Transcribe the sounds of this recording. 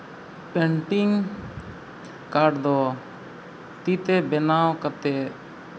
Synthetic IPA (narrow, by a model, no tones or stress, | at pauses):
pɛɳʈiŋ | kaɖd̪ɔ | t̪it̪ɛbɛnawkat̪ɛ